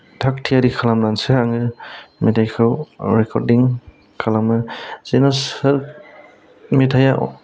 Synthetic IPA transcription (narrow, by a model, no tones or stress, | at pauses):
dʰʱak̚tʰijaɾikʰalamlansɯaŋɯmitʰajkʰɯwɾɛkʰɔ̰ɾdiŋ | kʰalamɯz̥enasɯɾ | mitʰajaʔ